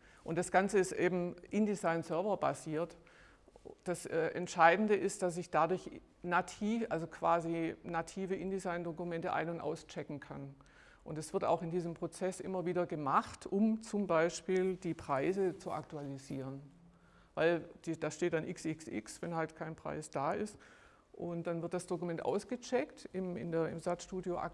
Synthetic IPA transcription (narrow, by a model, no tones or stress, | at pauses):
ʔʊntd̥asɡ̥ant͡səɪstʔeːbm̩ʔɪndizaɪnsœɐvɐba̰ziːɐt | d̥asʔɛːʔɛ̰ntʃaɪdn̩dəʔɪst̚d̥as̬ɪçd̥adʊɐç | natʰiːʔalzokʰv̥aːzinatʰiːvəʔɪndizaɪndokumɛntəʔa̰ɪnʊntʔa̰ʊst͡ʃɛkŋ̩kʰan | ʔʊntd̥ɛsv̥ɪɐta̰ʊxɪndiːzəmpʁ̥ot͡sɛsʔɪ̰mɐviːdɐɡəmaχtʰʔʊmt͡sʊmbaɪʃpiːld̥iːpʁ̥aɪzət͡suʔa̰k̚tualiziːʁən | vaɪld̥id̥aʃteːtd̥anʔɪksɪksʔɪ̰ksv̥ɛnhaltkʰaɪnpʁ̥a̰ɪsd̥aːɪst | ʔʊnt̚d̥anvɪɐt̚d̥asd̥okumɛntʔa̰ʊsɡ̥ət͡ʃɛktɪmɪ̰ndeːɐɪ̰mzatʃtuːdjoʔa̰k